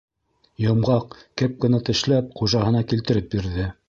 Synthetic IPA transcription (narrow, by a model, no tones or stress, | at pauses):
jɤ̆mʁɑq̚kɘp̚kɘ̆næt̪ɘ̆ʃlæp̚χuʒɑɦɤ̆nɑkilt̪ɘ̆ɾɘp̚biɾðɘ